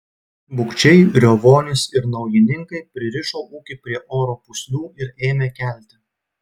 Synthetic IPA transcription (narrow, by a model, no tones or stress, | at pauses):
bʊkt͡ʃʲɛɪɾʲoʋoːnʲɪsɪɾnɒʊjɪnʲɪŋkɐɪpʲɾʲɪɾʲɪʃoːʔuːkʲɪpʲɾʲiɛʔoːɾoːpʊsʲlʲuːɪɾeːmʲeːkʲælʲt̪ʲɪ